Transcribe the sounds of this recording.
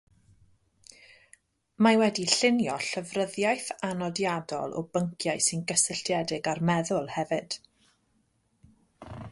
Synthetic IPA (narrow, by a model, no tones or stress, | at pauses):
mawɛdiɬɪnjɔɬəvrəðjajθanɔdjadɔ̰lˠʔɔ̰bəŋkʰjaɨsɪnɡəsəɬtjɛdɪɡarmɛðʊlˠhɛvɨd̥